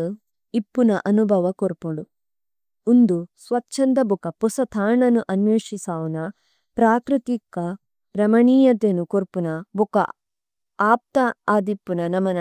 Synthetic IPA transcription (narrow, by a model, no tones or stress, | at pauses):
ipːunɐʔɐnubʱɐʋɐkoɾpuɽu | und̪usʋɐtːʃʰɐnd̪ɐbukɐpusɐt̪ʰaːɳɐnuʔɐnjeːʂisaːʋɐnɐ | pɾaːkɾit̪ikɐ | ɾɐmɐɳiːjɐt̪enukoɾpunɐbukɐ̰ | aːp̚t̪ɐaːd̪ipːunɐnɐmɐnɐ